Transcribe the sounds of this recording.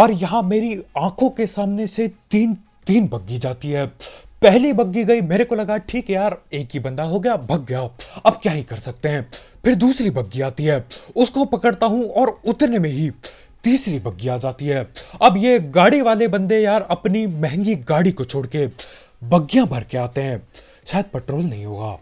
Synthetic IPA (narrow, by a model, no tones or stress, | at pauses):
ɔːɾjɐɦãmeːɾiãːkʰõkesaːmneset̪iːn | t̪iːnbɐɡːid͡ʒaːt̪iɦɛːpɛɦlibɐɡːiɡɐimeːɾekolɐɡaʈʰiːkɦɛjaːɾeːkɦibɐ̃nd̪aɦoɡɐjabʱɐɡːjaɐb̚kjaːɦikɐɾsɐk̚t̪eɦɛ̃ː | pʰɪɾd̪uːsɾibɐɡːiaːt̪iɦɛːʊskopɐkəɽt̪aɦũɔːɾʊt̪ɾnemẽɦi | t̪iːsɾibɐɡːiaːd͡ʒaːt̪iɦɛːɐbjeɡaːɽiʋaːlebɐ̃nd̪ejaːɾɐpnimɛɦɛ̃ŋɡiɡaːɽikot͡ʃʰoːɽke | bɐɡːijãbʱɐɾkeaːt̪eɦɛ̃ː | ʃaːjəd̪̚pɛːʈɾoːlnɐɦĩɦoːɡa̰ː